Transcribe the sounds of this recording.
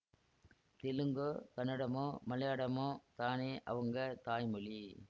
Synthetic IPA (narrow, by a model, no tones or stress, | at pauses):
t̪ɪlɯŋɡɯk̪ɐnɪɽɐmoːmɐlɐjaːɽɐmoːt̪aːneːʔɐ̰ʋɐŋɡɐt̪aːjmɯɭi